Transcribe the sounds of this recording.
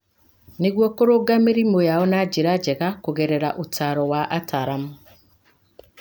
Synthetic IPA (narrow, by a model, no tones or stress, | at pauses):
niɡwokoɾoɡamiɾimojaɔnad͡ʒiɾad͡ʒeɣakoɣeɾeɾaʔutaɾɔwaʔataɾamu